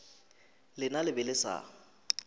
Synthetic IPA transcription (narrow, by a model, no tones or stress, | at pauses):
lɪnalɪbɛlɪsa̰ː